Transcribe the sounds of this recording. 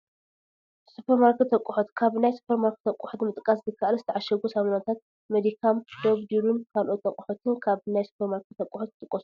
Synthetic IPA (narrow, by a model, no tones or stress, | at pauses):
supʰeɾmaɾkt̪ʰːɐkʷʼːuħot̪kʰaβnajsu̥pʰeɾmaɾk̚t̪ʰːɐkʼːuħot̪mɨt̪ʼkʼaszɨkʰːaʔalzɨt̪ʰɐʕaʃɐɡosamanat̪ʰat̪̚ | med̪ikʰamd̪oβd̪iɾumkʰalʔot̪ʰːɐkʼɔħot̪ʰɨnkʰaβnajsu̥pʰeɾmaɾkt̪ʰːɐkʼːuħot̪̚t̪ʼɨkʼːosu